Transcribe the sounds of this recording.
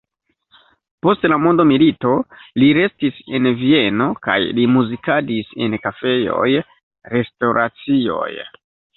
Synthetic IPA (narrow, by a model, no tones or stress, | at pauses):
po̞stlamo̞ndomilito̞liɾe̞stise̞nvie̞no̞ka̰jlimuzikadise̞̰nkafe̞jo̞̰j | ɾe̞stoɾʔat͡sio̞̰j